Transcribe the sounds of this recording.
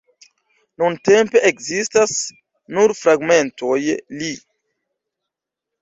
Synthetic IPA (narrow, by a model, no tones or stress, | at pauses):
nuntempe̞ʔekzistas | nuɾfɾaɡme̞ntʰo̞jli